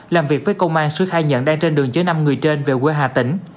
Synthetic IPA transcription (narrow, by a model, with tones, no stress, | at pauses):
laː˨˩mvi˨˩ək̚vəː˨˦jkə˧wŋ͡mʔaː˧nsɨ˧˦xaː˧jɲə̰˧˥nɗaː˧ŋt͡ɕe˧nɗɨ˨˩əŋt͡ɕə˨˦jna˧mŋɨ˨˩əjt͡ɕe˧nve˨˩kwi˧˦ɦaː˨˧˩t̪ï˧˦ŋ̟